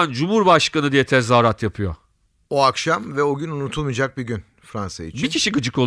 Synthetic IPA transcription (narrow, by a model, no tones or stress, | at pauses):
nd͡ʒumhuɾbaʃkanɯd̪ijɛt̪ʰɛzaːɾat̪ʰjapʰɯjo̰ | oakʃamvɛoɟynunut̪ʰulˠmɯd͡ʒak̚biɟyn | fɾansa̰ḭbt͡ʃicʰiʃiɡɯd͡ʒɯko